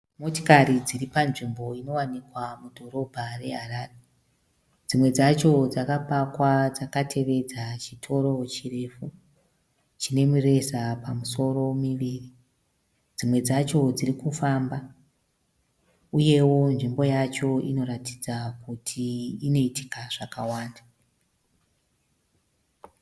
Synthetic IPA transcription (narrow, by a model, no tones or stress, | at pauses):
mo̞to̥kaɾid͡ziripanʐimbo̞ino̞wanikwamudʱo̞ɾo̞bʱare̞ɦaɾare | d͡zimwe̞d͡zat͡ʃo̞d͡zakapakwad͡zakatʰe̞ʋe̞d͡zat͡ʃitʰo̞ɾo̞t͡ʃire̞fu | t͡ʃine̞mure̞zapamuso̞ro̞miʋiri | d͡zimwe̞d͡zat͡ʃo̞d͡zirikufamba | uje̞wo̞nʐimbo̞jat͡ʃo̞ino̞ɾati̥d͡zakutʰiːno̞iti̥kaʐ̥akawaːnda